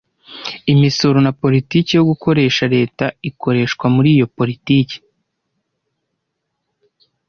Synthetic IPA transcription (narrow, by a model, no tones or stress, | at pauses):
imisoɾunapo̞ɾitiːcijo̞ɡuko̞ɾe̞ːʃaɾe̞ːtaikʰo̞ɾe̞ːʃkwamuɾiːjo̞po̞ɾitiːci̥